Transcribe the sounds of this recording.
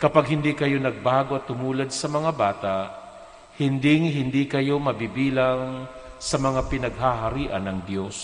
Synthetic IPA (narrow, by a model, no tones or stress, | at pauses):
kɐpaɡ̚hɪnd̪ikɐjo̞nɐɡ̚baːɡoʔɐt̪ːʊmuːlad̪̚sɐmɐŋabaːt̪aʔ | hɪnd̪ɪŋhɪnd̪ikɐjo̞mɐbibiːlaŋ | sɐmɐŋapɪnɐɡ̚ɦaɦaɾiːʔɐnɐŋd̪jo̞s